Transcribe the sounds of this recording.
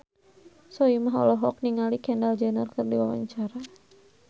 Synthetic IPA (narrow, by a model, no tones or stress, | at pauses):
sɔimaɦɔ̰lɔɦɔk̚niŋalikɛndald͡ʒɛnərkɨrdiwawa̰ɲt͡ʃaɾa